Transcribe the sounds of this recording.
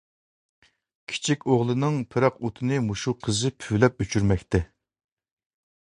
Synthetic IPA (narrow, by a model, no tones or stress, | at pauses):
kʲʰi̥t͡ʃʰikʲoʁlˠɨnɨŋpʰɪɾɑqot̪ʰɨnɨmuʃuqʰəzɨpʰylɛp̚øt͡ʃʰyɾmɛkʲt̪ɛ